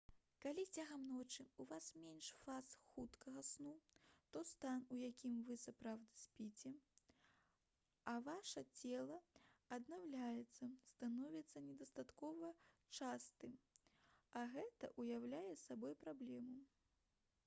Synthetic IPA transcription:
kalʲit͡sʲaɣɐmnɔt͡ʂɨuvasmʲɛnʂfasxut̪kɐɣɐsnut̪ɔst̪anujakʲimvɨsapɾawd̪ɨsʲpʲit͡sʲɛ | ɐvaʂɐt͡sʲɛlˠɐɐd̪nawlʲajɛt̪sːɐst̪anɔvʲit̪sːɐnʲɛd̪ɐst̪at̪kɔvɐt͡ʂast̪ɨm | ɐɣɛt̪ɐ̰ʔujawlʲajɛsabɔjpɾablʲɛmu

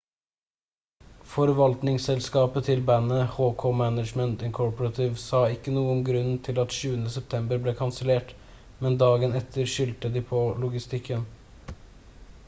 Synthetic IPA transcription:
fɔɾʋɑlt̪nɪŋsɛlskɑːpət̪ʰɪlbænəhoːkʰoːmænəd͡ʒmənt̪ɪŋkʰɔɹpəɾɑt̪ʰɪʋsɑːɪkːənuːənɡɾʉnt̪ʰɪlɑt̪ʃʉːənəsɛp̚t̪ʰɛmbəɾbleːkʰɑnsəleːʈ | mɛnd̪ɑːɡənɛt̪ʰəɾʃʏlt̪əd̪iːpʰɔːlʊɡɪst̪ɪkʰːən

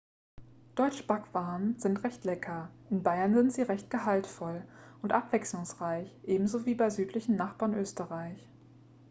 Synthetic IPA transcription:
d̥ɔʏt͡ʃəb̥akv̥aːənzɪntʁɛçtlɛkʰɐʔɪnbaɪɐnzɪntz̥iːʁɛçt̚ɡ̥əɦaltfɔlʔʊntʔapv̥ɛkslʊŋsʁ̥aɪçʔeːbm̩zoːviːbaɪzyːtʰlɪçn̩naχb̥aːɐnʔøːstəʁaɪç

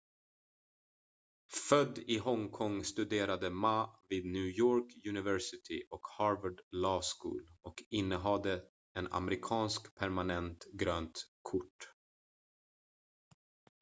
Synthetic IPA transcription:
fœd̪ːɪɦɔŋkʰɔŋːst̪ɵd̪eːɾad̪əmaviːd̪̚njʉːjoːɾkjʉnɪvɛɾsɪt̪ʰɪ̰ʔɔkhɑːɾvəɖlɑːskṵːlʔɔkɪnːəɦɑd̪ːə | ɛna̰mɛɾɪkʰɑːnskpʰæɾmanɛnt̪ɡɾøːnt̪kʰʊʈː

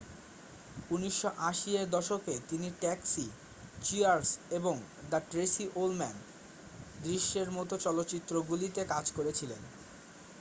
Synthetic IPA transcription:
uniʃːoʔaʃied̪ɔʃoket̪iniʈɛksi | t͡ɕiaɾseboŋ | d̪aʈɾesiʔolmɛn | d̪ɾiʃːeɾmɔt̪ot͡ɕɔlot̪ːɕit̪ːɾoɡulit̪ekad͡ʑkoɾet͡ɕʰilḛn

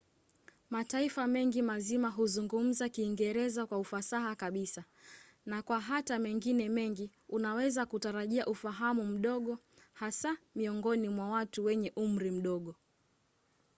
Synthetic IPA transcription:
mataifamɛŋɡimazimaɦuzuŋɡum̩zakiːŋɡɛɾɛzakwaufasaɦakaɓisa | nakwaɦatamɛŋɡinɛmɛŋɡi | unawɛzakutaɾaʄiaʔufaɦamum̩ɗɔɠɔ | hasamiɔŋɡɔnimwawatuwɛɲɛʔum̩ɾim̩ɗɔɠɔ

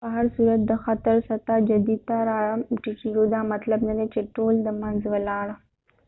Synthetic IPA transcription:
baɦaɾsuːɾət̪̚d̪ɐxaːt̪əɾsɐt̪ad͡ʒɐd̪it̪aɾaːɭamʈikiɾod̪amɐt̪ləbnɐd̪et͡ʃeʈoːld̪ɐmanzʋəlaːɽ

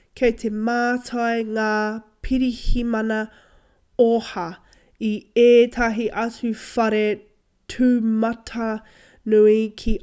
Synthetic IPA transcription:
kʰejtʰe̞maːtʰɐjŋaːpʰiɾihimɐnɐ | ohɐ | ieːtʰɐɦiʔɐt͡sʉfɐɾe | tʰʉːmɐtʰɐ | nuikʰi

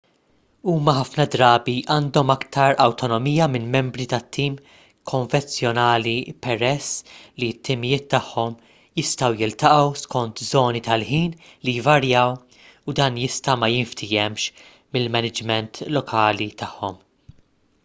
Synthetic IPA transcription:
uːmɐħɐfnɐd̪ɾɐːbiʔɐːnd̪ɔmɐkt̪ɐɾɐwt̪ɔnɔmijɐmɪnmɛmbɾit̪ɐt̪ʰːiːm | kʰɔɱvɛnt͡sjɔnɐːlipɛɾɛsːlit̪ːɪmɪjɪːt̪ːɐħːɔm | jɪst̪ɐwjɪlt̪ɐʔɐwskɔnt̪zɔːnit̪ɐlħiːnlijvɐɾjɐːw | ud̪ɐːnjɪst̪ɐmɐjɪɱft̪ʰɪjɛmʃ | mɪlmɛnɪd͡ʒmɛnt̪lɔkʰɐːlit̪ɐħːɔm

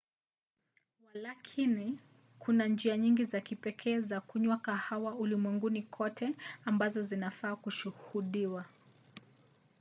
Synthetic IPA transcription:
walakʰini | kʰunand͡ʒiaɲiŋɡizakipɛkʰɛːzakuɲwakahawaulimwɛŋɡunikʰɔtʰɛambazɔzinafaːkuʃuhuɗiwa

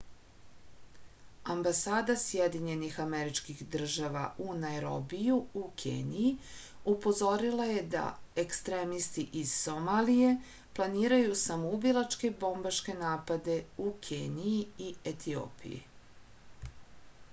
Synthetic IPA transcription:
ambasaːd̪asjed̪iɲe̞nixameɾit͡ʃkixd̪r̩ʒaʋa̰ʔunajɾobijuukʰḛːniji | upo̞zo̞ɾilˠaje̞d̪a̰ekst̪ɾeːmist̪iʔiz̥ːo̞malije̞ | plˠaniːɾajusamoubilˠat͡ʃke̞bo̞mbaʃke̞naːpad̪e̞ukʰeːniiiet̪ʰio̰ːpḭjḭ

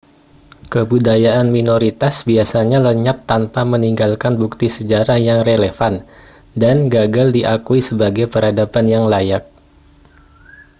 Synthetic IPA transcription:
kəbudajaʔanminoɾit̪asbiasaɲaləɲap̚t̪anpaməniŋɡalkanbuk̚t̪isəd͡ʒaɾahjaŋreləfan | danɡaɡaldiʔakuisəbaɡajpəɾadapanjaŋlajak̚

